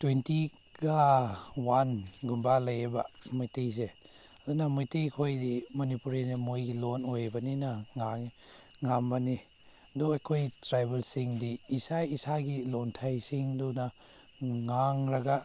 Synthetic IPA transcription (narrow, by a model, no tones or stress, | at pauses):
twenti | ɡawanɡumbalajebamojtijse | adunɐmojtijkʰojdimɔnipuɾinamojɡilonojbɐninaŋaŋ | ŋambani | duajkʰojtɾajbelsiŋdiːsajisaɡilontʰajsiŋduna | ŋaŋɾaɡa